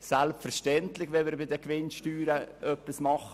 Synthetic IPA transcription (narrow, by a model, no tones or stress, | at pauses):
sɛlpfɛɾʃtɛntlɪçʋɛmɪːɾbɪdəkʋɪnʃtyːɾəʔœpːismɑχ